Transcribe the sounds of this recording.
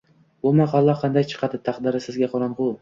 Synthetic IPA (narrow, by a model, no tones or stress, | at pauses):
bʊmaqɑlˠːɑqʰɑnd̪ajt͡ʃʰɨ̥qʰɑd̪ɪt̪ʰɑqd̪ɪɾɪsɪzɡʲaqʰɒɾanqʊ